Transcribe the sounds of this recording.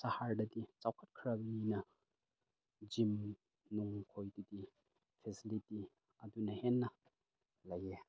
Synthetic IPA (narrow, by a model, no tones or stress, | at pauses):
sɐhaɹdɐdit͡sawkʰɐt̚kʰɾɐbɐninɐ | d͡ʒim | nuŋkʰojdidi | pʰɛsiliti | ɐdunɐhɛnːɐ | lɐje